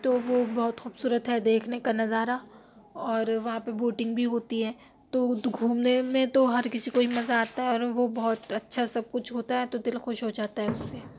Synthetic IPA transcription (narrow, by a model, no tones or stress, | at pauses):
t̪oʋobɔɦʊt̪xuːbsuːɾət̪ɦɛd̪eːkʰnekanɐzaːɾa | ɔːɾʋɐɦãpeboːʈɪ̃ŋɡbʱiɦoːt̪iɦɛː | t̪oʊt̪ɡʱuːmnemẽt̪oɦɐɾkɪsikoɦimɐzaaːt̪aɦɛɔːɾʋobɔɦt̪ɐtːʃʰasɐb̚kʊt͡ʃʰɦoːt̪aɦɛt̪od̪ɪlxʊʃɦod͡ʒaːt̪aɦɛʊsːeː